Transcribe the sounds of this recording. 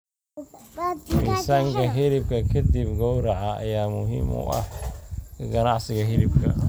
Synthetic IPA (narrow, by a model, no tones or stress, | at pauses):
wisaːŋkʰɐɦɪɾɪbkʰɐkʰɐd̪ibɡɔwɾɐʕɑɐ̰jaːmʊɦḭːmʊ̰ʔɐ̰h | ɡɐnɑʕsɪɣɐɦɪɾɪbkʰɐ̰